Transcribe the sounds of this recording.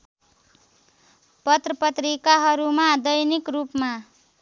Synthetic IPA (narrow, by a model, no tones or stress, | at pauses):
pʌt̪rʌpʌt̪rikaɦʌɾumad̪ʌjnikrupma